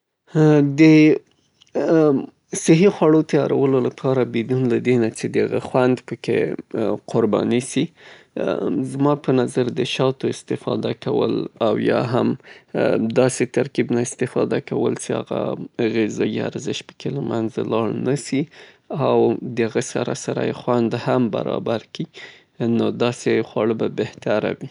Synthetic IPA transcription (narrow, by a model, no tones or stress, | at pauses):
d̪ə | sɪɦixwaɽot̪ajɑɾa̰wəlolapʰɑɾabed̪unlad̪enat͡ʃed̪əhaɣa̰xwand̪pəkḛqʰʊɾbɑ̰nisi | zmɑpənazaɾd̪əʃɑt̪oɪst̪ɪfɑ̰d̪akawə̰lawjɑ̰ɦam | d̪ɑset̪aɾkibnaɪst̪ɪfɑd̪akawəlt͡ʃeaɣa̰ɣezɑja̰ɾzɪʃpə̥kelamʔanzalɑɽnasi | awd̪əhaɣasaɾasaɾa̰jxwand̪hamba̰ɾɑ̰baɾki | nod̪ɑsexwɑɽəbabeht̪aɾa̰wi